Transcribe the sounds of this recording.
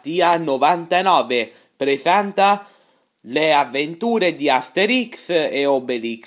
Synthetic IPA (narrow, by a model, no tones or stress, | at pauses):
t̪ianovant̪anɔːve | pɾesant̪a | leavːent̪uːɾed̪iast̪eɾikseobelik